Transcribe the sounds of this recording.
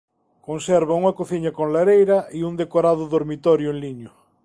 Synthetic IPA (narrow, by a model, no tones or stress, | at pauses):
kõnseɾβauŋakoθiɲakonlaɾejɾaʔiund̪ekoɾaðʊðoɾmit̪ɔɾjʊeŋliɲo